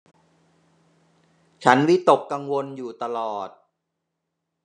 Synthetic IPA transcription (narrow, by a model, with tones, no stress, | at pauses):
t͡ɕʰa˦˥nwi˦˥t̪o˨˩kːa˧ŋwo˧njuː˨˩t̪a˧lɔː˨˩t̪̚